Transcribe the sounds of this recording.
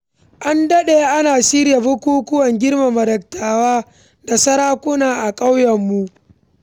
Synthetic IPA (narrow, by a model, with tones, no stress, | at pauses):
ʔa˦ndɐ˦ɗeː˨ʔa˦naː˨siː˦ɾja˨bʊ˦kʷuː˦kʷʊ˦wɐ˨ŋɡʲɪ˦rma˨mɐ˨dɐ˨k̚taː˨waː˦ | da˨sɐ˦ɾaː˦kʷʊ˦naː˨ʔa˨kʼa˦wjɐ˨mːu˨ʔ